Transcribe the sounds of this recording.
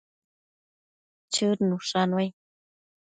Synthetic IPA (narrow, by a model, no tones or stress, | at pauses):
t͡ʃʰɨɾnuʂanwaj